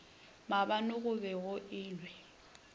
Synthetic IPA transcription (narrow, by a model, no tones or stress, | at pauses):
mabanʊɣʊbɛɣʊʔɪːnwɛ